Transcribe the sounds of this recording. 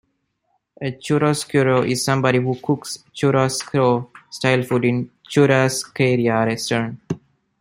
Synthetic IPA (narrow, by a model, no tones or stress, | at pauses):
et͡ʃuɾoskjuɾoʔizsʌ̃mbɔɾihukʰukst͡ʃuɾoskɾosʈaɪlfuɖĩnt͡ʃuɾaskeɾiaɾesʈən